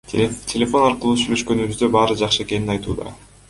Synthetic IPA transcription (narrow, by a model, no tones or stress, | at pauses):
tʲʰelʲe̞fo̞nɑɾqɯlˠuːsyjlʲø̞ʃkø̞nyβyzd̪ø̞bɑːɾɯd͡ʒɑqʃɯe̞ke̞ninɑjt̪ṵːd̪ɑ̰